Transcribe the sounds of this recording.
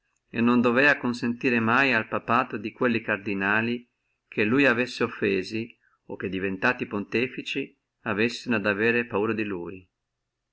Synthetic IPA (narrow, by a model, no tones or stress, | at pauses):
ḛnːond̪ovɛːakonsent̪iːɾemajalpapaːt̪od̪ikwelːikard̪inaːli | kʰelːujavesːeofːeːzi | ok̟ːed̪ːivent̪aːt̪ipont̪ɛːfit͡ʃi | avesːenad̪avɛːɾepauːɾad̪iluːj